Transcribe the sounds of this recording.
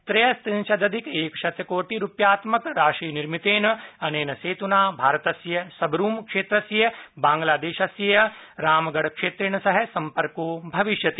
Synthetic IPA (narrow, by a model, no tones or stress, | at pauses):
t̪ɾɐjɐst̪ĩnt͡ʃɐd̪ɐd̪ʱikeːkʃɐt̪jɐkoːʈiɾupjaːt̪mɐkɾaːʃɾiːniɾmit̪eːnɐɐneːnɐseːt̪unaːbʱaːɾɐt̪ɐsjɐsɐbʱɾuːmkʂeːt̪ɾɐsjɐbãːŋɡlaːd̪eːʃɐsjɐjɐɾaːmɡɐɽkʃeːt̪ɾiɳ̃ɐsɐɦɐsɐmpɐɾkoːbʱɐʋiʃjɐt̪i